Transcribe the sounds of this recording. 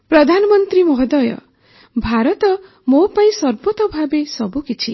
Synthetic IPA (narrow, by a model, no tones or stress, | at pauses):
pɾɔd̪ʱanɔmʌnt̪ɾimɔɦɔd̪ɔjɔ̰ | bʱaɾɔt̪ɔ | mopaĩsɔɾbot̪ɔbʱabesɔbukit͡ʃʰi